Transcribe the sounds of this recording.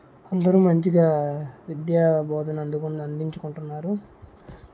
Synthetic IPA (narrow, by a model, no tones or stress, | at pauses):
ɐnd̪ɐɾuːmɐɲt͡ʃiɡaːʋid̪jaːbʱɔːd̪ɐnɐnd̪ukuɐnd̪iɲt͡ʃukuɳʈunːaːɾu